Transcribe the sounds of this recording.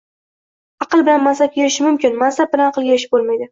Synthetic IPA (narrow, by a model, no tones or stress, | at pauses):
ɑqɨlˠbɪlanmansap̚kʲʰeɾɪʃɪmʊmkʲɪnmansap̚bɪlanɑqʰɨlˠɡʲaɪʃ̬ɪ̥p̚bolˠmajd̪ɪ